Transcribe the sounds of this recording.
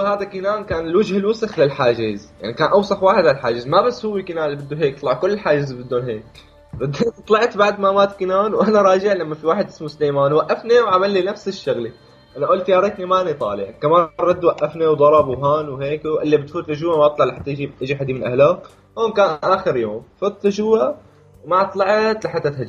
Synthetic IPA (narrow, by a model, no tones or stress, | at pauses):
haːd̪akinaːnkaːnɪlwad͡ʒhɪlwʊsɪxlɪlħaːd͡ʒɪzja̰ʕnikaːnʔawsaxwaːħɪd̪alħaːd͡ʒɪzmabasːhʊwːikinaːnlibɪd̪ːuɦeːk̚t̪ˤlɑʕkʊlːɪlħaːd͡ʒɪzbɪd̪ːoːnɦeːk̚ | ɾˤɑd̪ːt̪ˤlɑʕt̪baʕd̪mamaːt̪kinaːnwʔanaɾˤɑːd͡ʒɪʕlamːafiwaːħɪd̪ʔɪsmuslejmaːnwaʔːafniwʕamalːinafsɪʃːʊɣli | ʔanaʔʊːlt̪jaːɾˤet̪nimaʔnit̪ˤɑ̰ːlɪʕkamaːnɾˤɑd̪ːwaʔːafniwd̪ˤɑɾˤɑbwɦaːnwheːkʔɪlːibɪt̪fuːt̪lʊʒuːamaʔɑt̪ˤlɑʕlɪħat̪ːajd͡ʒiʔɪd͡ʒiħad̪imɪnʔa̰hlaːk | hoːnkaːnʔaːxɪɾjoːmfuːt̪lʊd͡ʒuːa | wmaʔɑt̪ˤlɑʕt̪lɪħat̪ːat̪had͡ʒ